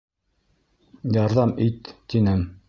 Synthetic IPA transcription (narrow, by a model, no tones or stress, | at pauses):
jɑɾðɑmit̪ːinɘm